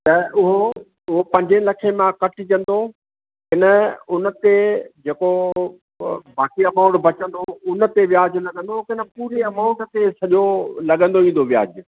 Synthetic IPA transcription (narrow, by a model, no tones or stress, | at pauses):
t̪ɐʊɦo | ʊɦopɐ̃ɲd͡ʑẽlɐkʰemãkɐʈʰɪ̆t͡ɕɐ̃nd̪o | ɦɪnəʊnə̆t̪ed͡ʑeːko | baːkiɐmaːʊ̃ɳʈbʱɐt͡ɕə̃nd̪oʊnə̆t̪eʋjaːd͡ʑlɐɠə̃nd̪okɪnə̆puːɾeɐmaːʊ̃ɳʈt̪esɐʄolɐɠə̃nd̪oĩːn̆d̪oʋija̰ːd͡ʑ